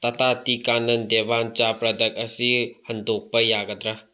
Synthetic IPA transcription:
t̪ɐt̪ʰat̪ikanɐnd̪ebant͡ʃapɾɐd̪ɐk̚ɐsihɐnd̪ok̚pɐjaɡɐd̪ɾɐ

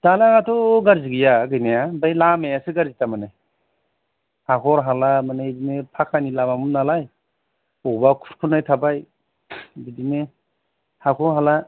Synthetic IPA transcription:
d̥alaɡatʰɔɡaɾziɡijaɡɯjnajabajlamejasɯɡaɾzitamanaj | hakʰɔɾɦalamanadinepʰakʰanilabamunalaj | ɔbakʰu̥ɾkʰunajtʰabaj | bidine | hakʰɔɦala

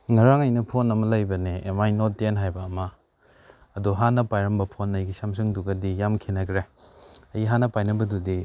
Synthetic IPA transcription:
ŋaɾaŋɐjnɐpʰonɐmɐlɐjbɐneḛmajnotːenɦajbɐːmɐː | duɦanɐpajɾɐmbɐpʰonːɐjɡisams̬ɯŋduɡɐdijamkʰinɐkʰɾeɐjɦanɐpajnɐbɐdudi

